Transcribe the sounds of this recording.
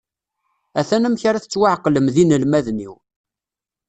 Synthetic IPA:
æθænæmçaɾæθət͡sːwaʕqːləmðinəlmæðnḭw

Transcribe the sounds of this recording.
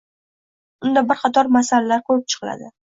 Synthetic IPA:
ʊnd̪abɪɾqʰɑt̪ʰɒɾmasalalaɾkʰɵp̚t͡ʃʰɨ̥qla̰d̪ɪ

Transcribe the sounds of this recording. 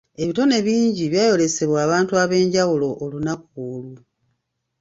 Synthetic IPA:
e̞βito̞ne̞βiːɲɟiβjaːjo̞le̞se̞βwaːβaːntuaβe̞ːɲɟawulo̞ʔːlunakuːlu

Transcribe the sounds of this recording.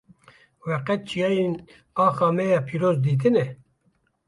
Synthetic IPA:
wɛqɛt̪̚t͡ʃʰijɑːjen | ɑːxɑːmɛjɑːpʰiːɾoːzd̪iːt̪̬ɨnɛ

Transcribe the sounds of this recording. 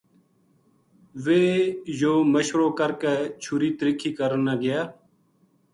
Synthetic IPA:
ʋeːjoːməʃʋɾoːkəɾkeːt͡ʃʰuːɾiːt̪əɾiːkʰiːkəɾənaːɡɪjaː

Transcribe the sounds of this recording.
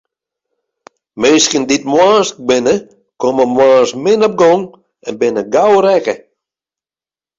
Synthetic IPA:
menskənditmwaːsbɪnə | koməmwaːsmɪnɔp̚ɡɔŋ | ɛnbɪnəɡawɾɛkə

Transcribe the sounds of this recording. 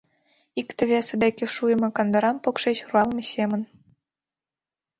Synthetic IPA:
ikt̪ɘ̆βʲesɘ̆d̪ækʲĕʃujə̆mɤ̆kɑnd̪ɤ̆ɾɑmpokʃet͡ɕruɑlˠmʲɤsʲemə̆n

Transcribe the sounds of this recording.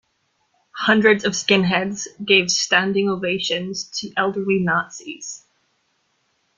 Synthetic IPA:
hʌ̃ndɹɨdzʌv̥skɪ̃nɦɛdz̥ɡeɪv̥stæ̃ndɪ̃ŋoveɪʃɨ̃nz̥tʰɨʔɛlˠdə˞linɑtsḭz̥

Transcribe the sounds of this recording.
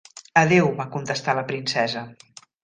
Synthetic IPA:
əðewmakunt̪əst̪aləpɾinsɛzə

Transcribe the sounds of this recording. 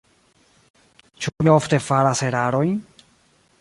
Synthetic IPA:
t͡ʃumio̞fte̞faɾase̞ɾaɾo̞jn

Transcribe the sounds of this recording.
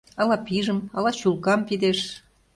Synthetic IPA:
ɑlɑpiʒə̆mɑlɑɕulkɑmpid̪eʃ

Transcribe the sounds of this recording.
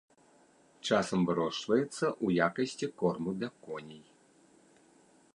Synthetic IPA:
t͡ʂasɐmvɨɾɔʂvɐjɛt̪sːɐʔujakɐsʲt͡sʲikɔrmud̪lʲɐkɔnʲij

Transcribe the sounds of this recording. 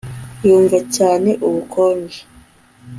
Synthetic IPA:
juːɱvacaːne̞ʔuβukʰoːɲɡe

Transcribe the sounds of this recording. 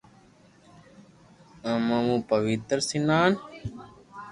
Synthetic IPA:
ə̃mɐmũːpəʋit̪ɾsinaːn

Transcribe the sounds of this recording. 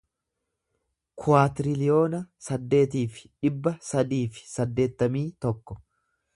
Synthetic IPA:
kʰʊaːt̪ɾɪlɪjo̞ːnɐsɐd̪ːe̞ːt̪iːfɪ̥ᶑɪbːɐsɐd̪iːfɪ̥sɐd̪ːe̞ːt̪ːɐmiːt̪ɔkːɔ̥

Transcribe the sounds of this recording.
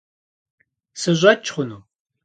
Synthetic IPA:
sɨʑʷɐt͡ʃʰʼχʷʊnuː

